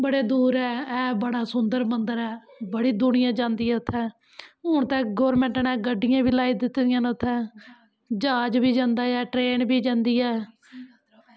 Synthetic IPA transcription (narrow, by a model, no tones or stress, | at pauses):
bəɽeːd̪uːɾɛːɛːbəɽaːsʊnd̪əɾmənd̪əɾɛːbəɽiːd̪ʊnɪjãːd͡ʒãːnd̪iːɛːʊt̪ʰːɛː | ɦʊɳt̪ɛːɡoːɾmɛ̃ːɳʈənɛːɡəɖːɪjãːbiːlaːiːd̪ɪt̪ːd̪ɪjãːnʊt̪ʰːɛː | d͡ʒaːd͡ʒbiːd͡ʒãːnd̪aːɛːʈɾeːnbiːd͡ʒãːnd̪iːɛː